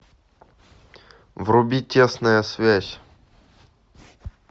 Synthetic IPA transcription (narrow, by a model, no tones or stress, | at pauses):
vrʊbʲitʲesnəjəsvʲæsʲ